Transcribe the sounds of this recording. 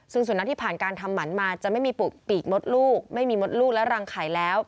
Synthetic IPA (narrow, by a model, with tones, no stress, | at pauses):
sɯ˥˩ŋsu˨˩˦na˦˥t̪ʰiː˥˩pʰaː˨˩nkaː˧nt̪ʰa˧mːa˩˦nmaː˧t͡ɕa˨˩ʔma˥˩jmiː˧pu˨˩t̪̚piː˨˩k̚mo˦˥t̪̚luː˥˩k̚ma˥˩jmiː˧mo˦˥t̪̚luː˥˩k̚lɛ˦˥ɾaː˧ŋkʰaː˨˩˦jlɛː˦˥w